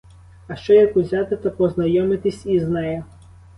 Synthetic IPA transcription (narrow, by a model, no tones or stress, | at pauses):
ɐʃt͡ʃɔjɐkuzʲat̪ɪt̪ɐpɔznɐjɔmɪt̪ɪsʲiznɛjɛ